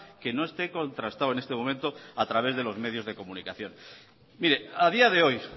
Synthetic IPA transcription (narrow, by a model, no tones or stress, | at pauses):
ke̞no̞e̞st̪e̞ko̞nt̪ɾast̪awenest̪e̞mo̞ment̪o̞at̪ɾaβ̞e̞zð̞e̞lo̞zme̞ð̞jo̞zð̞e̞ko̞munikaθjo̞n | miɾe̞aðiaðe̞o̞j